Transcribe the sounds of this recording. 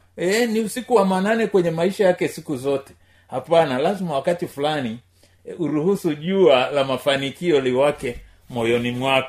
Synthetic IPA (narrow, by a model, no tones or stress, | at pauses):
ɛniusikuwamananɛkwɛɲɛmaiʃajakɛsikuzɔtɛ̥ | hapanalazimawakatifulani | uɾuhusuʄualamafanikiɔliwakɛ | mɔjɔnimwakḁ